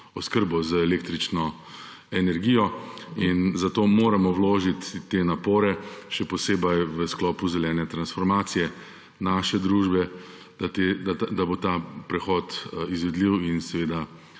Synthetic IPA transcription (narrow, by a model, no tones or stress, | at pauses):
ɔskəɾbɔzəɛleːk̚t̪ɾit͡ʃnɔ | ɛnɛɾɡiːjɔinzat̪oːmoːɾamɔwloːʒit̪ːenapoːɾɛʃɛpɔseːbɐjʋəsklɔːpuzɛlɛːnɛt̪ɾansfɔɾmaːt̪sijɛ | naʃɛd̪ɾuːʒbɛ | d̪̥at̪ed̪ad̪abot̪aːpɾɛxɔːt̪izʋɛd̪liwinsɛʋeːd̪a